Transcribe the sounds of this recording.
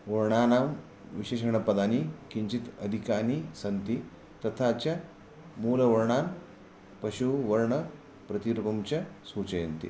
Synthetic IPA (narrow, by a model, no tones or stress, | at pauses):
ʋɐɾɳanam | ʋiɕeɕɐɳ̃əpɐd̪ʱanikiɲt͡ɕit̪əd̪ʱikaniːsɐnt̪i | t̪ɐt̪ʰat͡ɕja | muːləʋɐɾɳan | pɐɕuʋɐɾɳə | pɾɐt̪iɾupɐmt͡ɕasuːt͡ɕəjənt̪ḭ